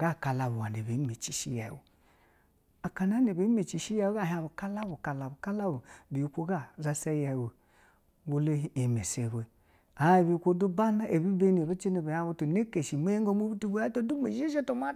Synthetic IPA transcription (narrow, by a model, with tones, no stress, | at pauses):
ɡa˦˨ka˨la˨bu˨a˨n˨e˨be˨˦me˨t͡ʃi˨ʃi˦ja̰˨wṵ˨ | a˨ka˨n˦a˦ne˨be˨˦me˨t͡ʃi˨ʃi˦ja˦˨wo˦a˦˨ɦa˨βu˨ka˦la˦bu˨ka˨la˨bu˨ka˦la˦bu˨bi˨u˨kʷo˦ɡa˦˨za˦se˦ja˨wo˨ | wo˦le˦ɦi˨me˨se˨be˨ | a˨˦e˨bi˨˦u˨kʷo˦du˦ba˦na˦ʔe˨bi˦be˦n˨e˨be˦t͡ʃi˦ne˨be˨˦a˦βu˦tu˨ne˦ke˨ʃi˨me˦je˦ŋɡo˦mu˦bu˦tu˦bu˦a˦to˦du˦me˨ʃʃe˦tu˦ma˦